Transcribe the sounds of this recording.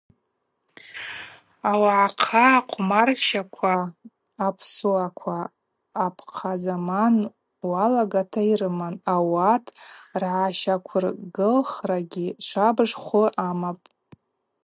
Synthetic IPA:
awaʕaqʰaqʷʼʰmarʃakʷʰaː | pʰsuakʷʰaː | pʰqʰazaman | walaɡatʰairɨmanawatʰʼrʕaʃakʷʰʊrɡɨlχraɡʲiʃʷʰabɨʂχʷʊʔamapʼ

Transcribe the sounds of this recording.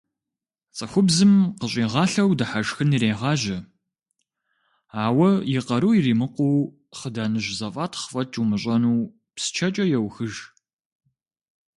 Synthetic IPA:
t͡sʼɐxʷʊbzɨmqəɕʼiːʁɑːɬɐwdɐħaʒxɨniɾeːʁɑːʒɐ | aːwɐjɪqɐɾuːiriːmɨqʷuw | χədaːnɨʑzɐfʼaːtʰχfʼɐt͡ʃʰʼumɨɕʷʼɐnuː | psɨ̥t͡ʃʰɐt͡ʃʼɐjɛwxɨʒ

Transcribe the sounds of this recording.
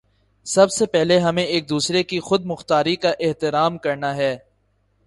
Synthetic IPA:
sɐbsepɛɦleɦɐmẽeːk̚d̪uːsɾekixʊd̪̚mʊxt̪aːɾikaʔɪɦt̪ɪɾaːmkɐɾnaɦɛː

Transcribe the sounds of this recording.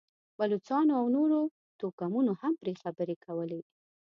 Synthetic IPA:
balut͡sɑnoawnoɾo | t̪okamunohampɾexabəɾekʰawəle

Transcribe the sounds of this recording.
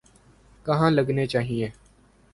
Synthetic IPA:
kəɦãːləɡneːt͡ʃaːɦieː

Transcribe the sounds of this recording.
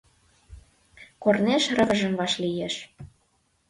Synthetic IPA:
korneʃrə̆vɤ̆ʒə̆mβɑʃlijeʃ

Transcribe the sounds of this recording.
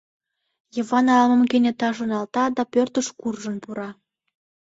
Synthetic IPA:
jəβɑnɑlmə̆mkenʲet̪ɑʒə̆nɑlt̪ɑd̪ɑpørt̪əʃkurʒənpuɾɑ

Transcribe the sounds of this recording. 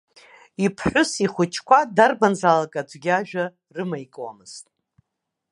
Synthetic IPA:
ipʰħʷʊsiχʷʊt͡ʃʰkʷadarbanzalakʼad͡ʒʷʼɡʲaʒᶣa | rɨmajkʼwa̰mɨz̥tʼ

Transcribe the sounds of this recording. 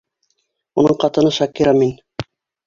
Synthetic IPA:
unɤɴqɑt̪ɤ̆nɤʃɑkiɾɑmin

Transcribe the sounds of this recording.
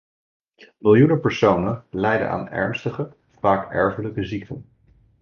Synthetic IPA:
mɪlˠjunəpəɹsownənlɛjdə̰nʔa̰ːnɛ̰ɹnstəχə | faːkɛ̰ɹvələkəzik̚tə̰n

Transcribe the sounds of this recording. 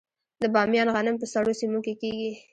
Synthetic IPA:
d̪əbɑmjɑnɣanɪmpəsaɽosimukekeɡi

